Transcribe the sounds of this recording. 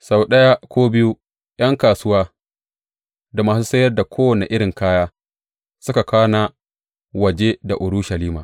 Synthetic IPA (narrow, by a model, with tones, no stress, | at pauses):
sa˨wɗɐ˦jaː˦kʷoː˦bɪ˦ju˦ | j̰ɐ˦ŋkaː˨sʊ˦waː˦ | da˨maː˨s̬uː˦sɐ˦jɐ˦rda˨kʷʰoː˦wɐ˨ne˨ʔɪ˦ɽɪ˨ŋkaː˦jaː˦ | sʊ˦ka˨kaː˦na˦ | wɐ˨d͡ʒe˦da˨ʔʊ˨ɾu˦ʃɐ˨liː˦maː˨ʔ